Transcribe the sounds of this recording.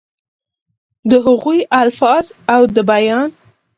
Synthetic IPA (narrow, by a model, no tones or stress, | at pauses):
d̪əɦʊɣujalfɑzawd̪əbajɑn